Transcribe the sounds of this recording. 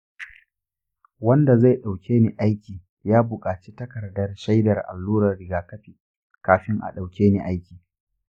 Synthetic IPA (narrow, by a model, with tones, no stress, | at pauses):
wɐ˦nda˨za˦˨jɗa˨wkʲʰeː˦ni˨ʔa˦jkʲiː˨ | jaː˦bʊ˨kʼaː˨t͡ʃi˦tɐ˦kɐ˨rdɐ˦rʃa˦jdɐ˨rʔa̰˨lːuː˦ɾɐ˨rɽɪ˨ɡaː˨kɐ˦ɸiː˨ | kaː˨ɸɪ˦ŋʔa̰˨ɗa˨wkʲeː˦ne˨ʔa˦jkʲiː˨